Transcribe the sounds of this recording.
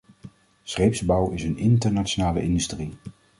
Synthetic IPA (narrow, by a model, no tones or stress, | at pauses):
sχejpzbɑwɪsənɪntəɹnaʃonaːlə̰ʔɪndystri